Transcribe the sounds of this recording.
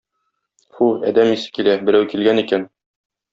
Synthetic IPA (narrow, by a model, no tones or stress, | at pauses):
fuæ̰d̪æmisɘ̥kilæbɘ̆ɾæwkilɡænikæn